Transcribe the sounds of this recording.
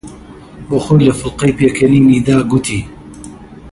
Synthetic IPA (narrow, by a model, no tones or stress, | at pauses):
boːxoːjlɐfʊlqɐjpeːkʰɐniːniːd̪aːɡut̪ʰiː